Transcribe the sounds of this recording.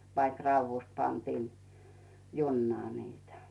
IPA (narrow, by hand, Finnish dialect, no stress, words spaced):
ʋɑik rɑuʋːust pɑntiːn junːɑː niːtæ